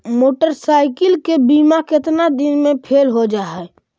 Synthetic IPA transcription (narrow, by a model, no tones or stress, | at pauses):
moːʈəɾsaːɪkəlkebiːmakɪt̪nad̪ɪnmẽpʰeːlɦod͡ʒaːɦɛː